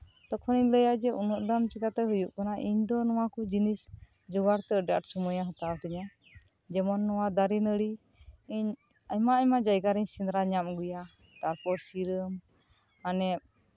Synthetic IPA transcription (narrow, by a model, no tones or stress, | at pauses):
t̪ɔkʰɔniɲləjad͡ʒɛʔunɔʔ̚d̪amt͡ʃikat̪ɛɦujuʔkɔnaʔiɲd̪ɔnɔwakɔd͡ʒinis | d͡ʒɔɡaɾt̪ɛəɖa̰ʈsɔmɔjaɦɔt̪awt̪ɛɲa | d͡ʒɛmɔnːɔwad̪aɾinəɽi | iɲ | aɲmaamad͡ʒajɡaɾiɲsind̪ɾaɲamɡuja | t̪aɾpɔɾsiɾəm | anɛp̚